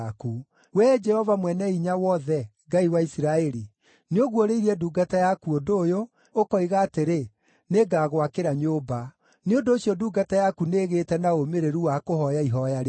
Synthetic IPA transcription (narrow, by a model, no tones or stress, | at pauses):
ku | wɛd͡ʒɛhɔvamwɛnɛiɲawɔðɛŋɡaiwaisiɾaɛɾi | neoɣwoɾeiɾiɛduːɡatajakuodoːjoː | kɔiɣaːteɾe | neɡaːɣwakeɾaɲoba | neondoːsijɔduːɡatajakuneːɣeːtɛnaomeɾeɾuwakohɔjaiɦɔjaɾe